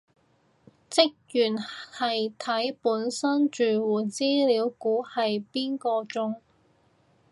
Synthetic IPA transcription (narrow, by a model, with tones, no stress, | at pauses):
t͡sɪ˥k̚jyː˨˩nhɐ˨jt̪ʰɐ˨˥jpuː˨˥nsɐ˥nt͡ʃyː˨wuː˨˩t͡siː˥liː˨˥wkuː˨˥hɐ˨jpiː˥nkɔː˧t͡sʊ˥ŋ